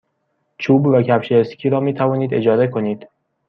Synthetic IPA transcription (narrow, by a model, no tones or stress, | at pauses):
t͡ʃʰuːbvæcʰæbʃeest̪cʰiːɾɒːmiːt̪ʰævɒːniːd̪e̞d͡ʒɒːze̞kʰo̞niːd̪̥